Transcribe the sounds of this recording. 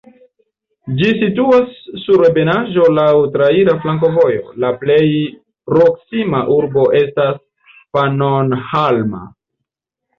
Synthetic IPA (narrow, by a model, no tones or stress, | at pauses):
d͡ʒisituasːuɾebe̞naʒo̞lawtɾaiɾaflaŋk̬o̞vo̞jo̞̰laple̞j | pɾo̞ksimaʔuɾbo̞ʔe̞stas | panonhalma̰